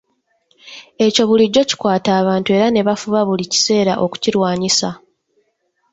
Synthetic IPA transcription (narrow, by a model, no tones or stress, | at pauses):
e̞co̞βuliɟːo̞ci̥kwaːtaːβaːntue̞ɾane̞βafuβaβulici̥se̞ːɾaʔo̞ku̥ciɾwaːɲisa